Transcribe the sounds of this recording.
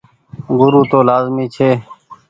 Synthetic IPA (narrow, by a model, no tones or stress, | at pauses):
ɡʊɾuːt̪oːlaːzmiːt͡ʃʰeː